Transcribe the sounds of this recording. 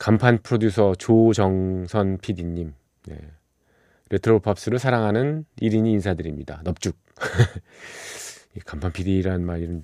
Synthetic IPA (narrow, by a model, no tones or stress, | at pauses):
kampʰanpʰɯɾodjusʰʌt͡ɕot͡ɕʌŋsʰʌnpʰidiɲːim | ne̞̰ | ɾe̞tʰɯɾopʰʌp̚s͈ɯɾɯɭsʰaɾaŋɦanɯniɾiɲiːnsʰadɯɾimɲida̰nʌp̚t͡ɕ͈uk̚ | ekampʰanpʰidiːɾaɯnmaɾiɾɯn